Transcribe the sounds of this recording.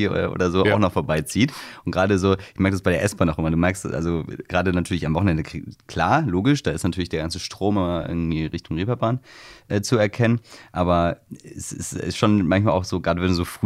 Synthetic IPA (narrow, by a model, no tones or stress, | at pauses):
ʔʔo̰ːdɐzoːaaʊxnɔχfoːɐbaɪt͡siːtʔʊntɡ̥ʁaːdəzoːɪçmɛɐkə̥dasb̥aɪdeːɐʔɛsb̥aːnaʊxʔɪmɐduːmɛɐkstʔa̰lzoɡ̥ʁaːdənatʰyːɐlɪçamvɔχn̩ʔɛndəkʰl̥aːɐloːɡɪʃd̥aːɪstnatʰyːɐlɪçd̥eːɐɡant͡səʃtʁ̥oːmɪmaʔɪ̰ɐɡŋ̩tv̥iːʁɪçtʊŋʁeːpɐbaːnʔɛːt͡suɛɐkʰɛnənʔaːbɐɛsɪ̰sɪ̰sʃoːnmançmaːlʔaʊxz̥oːɡʁaːdəvɛndzoːfʁ̥